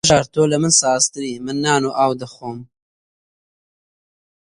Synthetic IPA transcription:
ʒɑːɾt̪oːlamənsɑːst̪əɾimənːɑːnoʔaːwd̪əxom

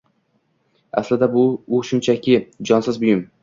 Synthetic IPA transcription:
a̰slɪd̪abʊʊʃʊnt͡ʃʰakʲɪd͡ʒɒnsɪzbʊjɪm

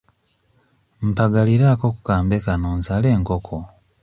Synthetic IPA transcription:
m̩paɡaliɾaːko̞ku̥kaːmbekanoːnsale̞ːŋkokʰo

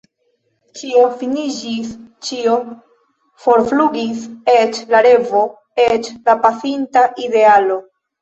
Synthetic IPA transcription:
t͡ʃio̞finid͡ʒist͡ʃio | fo̞ɾfluɡiset͡ʃlaɾe̞vo̞ | et͡ʃlapasintaʔide̞alo̞

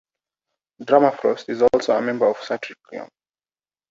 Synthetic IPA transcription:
dɹamafɹɔstizɔlˠsoəmɛ̃mbə˞ɔv̥satʰɹiklḭə̰̃m

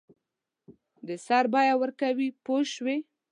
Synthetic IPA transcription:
d̪əsaɾbɑjawəɾkawipoʃwe

